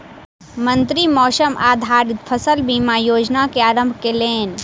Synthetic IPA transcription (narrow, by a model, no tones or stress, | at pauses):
mə̃nt̪ɾimɔːsəmʔaːd̪ʱaːɾɪt̪pʰəsəlbiːmajoːd͡ʒnakeaːɾə̃mbʱkeleːn